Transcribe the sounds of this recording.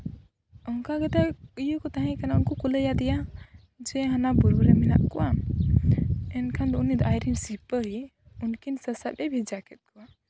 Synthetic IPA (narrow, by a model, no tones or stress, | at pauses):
ɔŋkaɡɛt̪ajukɔt̪aɦɛ̃kanaunkɔkuləjad̪ija | d͡ʒɛɦanabuɾbuɾɛminaʔ̪̚kuwa | ɛnkʰand̪unid̪ajɾinsipəɦi | unkinsəsaɗɛbʱid͡ʒakʰɛt̪̚kua